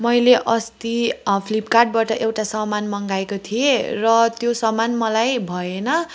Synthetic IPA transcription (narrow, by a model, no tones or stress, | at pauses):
mʌjleʔʌst̪ipʰlipkarʈ̚baʈʌʔewʈasʌmanmʌŋɡaekot̪ʰierʌt̪josʌmanmʌlajbʱʌenʌ